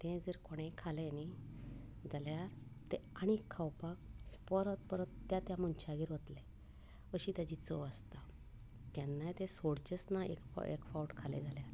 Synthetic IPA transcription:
t̪ẽd͡zeɾkoɽ̃ẽkʰaleni | d͡zaljaɾt̪eaɽ̃ikʰːawpak̚pəɾət̪pəɾət̪ːjat̪jamunt͡ɕʰaɡiːɾʋət̪le | əɕiːt̪jad͡ʑiːt͡səʋast̪a | t̪janːajt̪ẽsoɽt͡ɕesnaḛkḛkfawʈkʰalḛd͡zaljaɾ

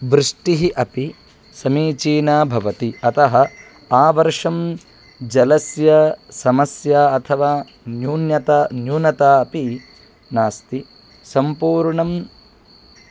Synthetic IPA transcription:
ʋɾɨʂʈiɦiʔɐpi | sɐmiːt͡ʃiːnaːbʱɐʋɐt̪iɐt̪ɐɦɐ | aːʋɐɾʂɐm | d͡ʒɐlɐsjɐsɐmɐsjaːɐt̪ʰɐʋaː | njuːnjɐt̪ɐnjuːnɐt̪aːɐpi | naːst̪i | sɐmpuːɾɳɐm

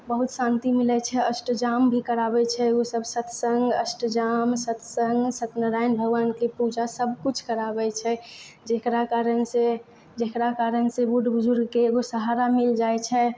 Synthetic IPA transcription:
bəɦut̪sãnt̪imilɛt͡ʃʰɛəsʈd͡ʒambʱikəɾabɛt͡ʃʰɛosəbsət̪ʰsəŋɡəsʈd͡ʒamsət̪səŋɡsət̪nəɾanbʱəɡʋankepud͡ʒasəbkut͡ʃʰkəɾabɛt͡ʃʰɛ | d͡ʒekɾakaɾənse | d͡ʒekɾakaɾənsebuʈbʊzuɾɡkeɡosəɦaɾamild͡ʒajt͡ʃʰɛ

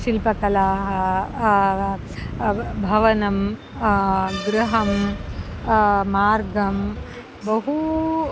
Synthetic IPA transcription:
ʃilpɐkɐlaːɦɐ | bʱɐʋɐnɐm | ɡɾuɦɐm | maːɾɡɐm | bɐɦu

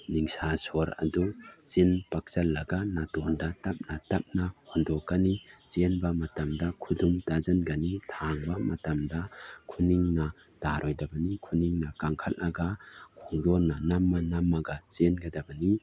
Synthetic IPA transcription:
niŋsasɔɾɐ̰dut͡ʃinpak̚t͡ʃɐlːɐɡanatɔndatɐp̚natɐp̚nahɔndɔkːanit͡ʃenbɐmɐtɐmdɐkʰudumtazɐnɡanitʰaŋbamɐ̰tɐmdɐkʰuniŋnɐ | d̥aɾʔɔjdɐbɐnikʰuniŋnɐkaŋkʰɐlnʔɐɡakʰɔŋdɔɾnɐnɐmːanɐmːaɡat͡ʃenɡɐdɐbɐni

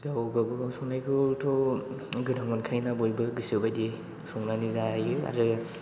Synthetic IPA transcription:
ɡawɡabɯɡasɔŋnajkʰɯltʰɔɡɯdaŋɔnkʰajnabɔjbɯɡɯsiwbajdi | sɔŋnanizajɯa̰ɾɯ

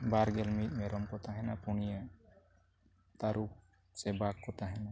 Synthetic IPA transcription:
baɾɡɛlmit̪̚mɛɾɔmkɔt̪aɦɛnapunija | t̪aɾuk̚ | sɛbakːɔt̪aɦɛna

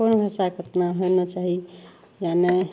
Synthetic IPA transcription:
onbʱasakət̪naɦojnət͡ʃaɦi | jane

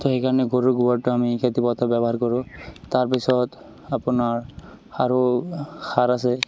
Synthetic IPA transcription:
tɔxejkaɹɔnɛɡoɹuɡubɔɹtʊamiketipɔt̪ʰabjɛbɔɦaɹkɔɹʊ̃taɹpisɔt | apʊnaɹxaɹʊxaɹasɛ

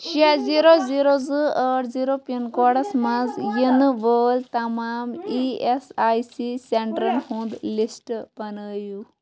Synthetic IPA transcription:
ʃeziɾoziɾozɨəːɾziːɾopijɐnkɔːɽɐsmɐzjinɨʋəːlt̪ɐmaːmiesaːjsiseɳʈɾɐnhũnd̪lisʈb̥ɐnəːju

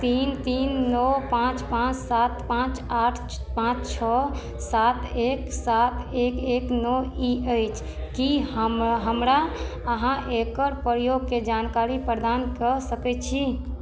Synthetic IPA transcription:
t̪int̪inːɔpãt͡ʃpãt͡ʃsat̪pãt͡ʃaʈʰ | pãt͡ʃt͡ʃʰɔ | sat̪eksat̪ekeknɔiəjt͡ʃʰ | kiɦəmɦəmɾa | əɦãʔekəɾpəɾjoɡ̚ked͡ʒankaɾipəɾd̪ankəsəkɛt͡ʃʰi

